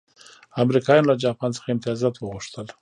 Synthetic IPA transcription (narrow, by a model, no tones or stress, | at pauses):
amɾikɑjɑnolad͡ʒɑpɑnt͡sə̥xaɪmt̪ijɑzɑt̪wəɣuʂt̪əl